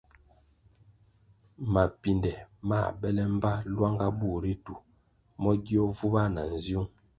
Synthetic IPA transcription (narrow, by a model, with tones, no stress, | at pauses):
ma˨pi˨ndɛ˨ma̰˦˨bɛ˦lɛ˦m̩˦ba˦lwa˦ŋɡa˦bu˦˨ɾi˦tu˨ | mɔ˦ɡi˦ɔ˦vu˦ba˦na˨n̩˨zju˦ŋ